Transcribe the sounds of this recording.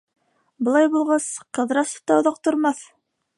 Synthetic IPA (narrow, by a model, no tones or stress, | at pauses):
bŏlˠɑjbulˠʁɑsqɤ̆ðɾɑsɤ̥p̚t̪ɑŏðɑq̚t̪ŏɾmɑθ